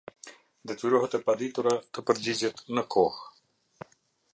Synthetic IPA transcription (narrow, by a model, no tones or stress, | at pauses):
d̪ət̪uɾoɦt̪əpad̪it̪uɾat̪əpəɾd͡ʑid͡ʑɛt̪nəkʰoh